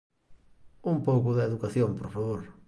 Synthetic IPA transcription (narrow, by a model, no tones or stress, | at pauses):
umpowkʊðɪeðukaθjompoɾfaβoɾ